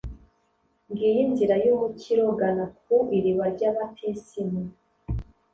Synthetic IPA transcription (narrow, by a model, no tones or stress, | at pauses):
ŋɡijinziɾajumucʰiɾoɡanak̚uiɾiβaɾɟaːβatʰesimu